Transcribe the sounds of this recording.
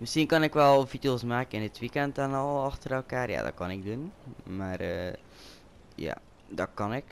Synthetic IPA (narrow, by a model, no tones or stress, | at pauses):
məsxiənkɔnɪkʋɛlˠfitəlˠsmaːkəɪndɪtʋikɛntɔnɔlˠɑxtərɛlˠkaːrja̰dɔ̰t̚kɔnɪɡ̚dunmaːrə | ja̰ | dɔtkɔnɪk